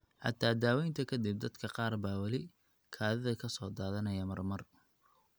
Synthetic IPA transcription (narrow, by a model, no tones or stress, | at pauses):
ħɑ̰t̪ʰaːd̪aːwɛjnt̪ʰɐkʰɐd̪ib̚d̪ɐd̪kʰɐqɑːrbaːwɐlɪ | kʰaːðɐðɐkʰɐsɔːd̪aːðɐnɐjɐmɐrmɐr